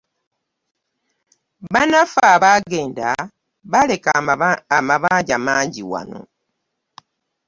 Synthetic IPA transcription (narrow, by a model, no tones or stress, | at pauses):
βanafaːβaɡe̞ːnda | βale̞kaamaβaːɲɟamaːɲɟiwa̰no̞̰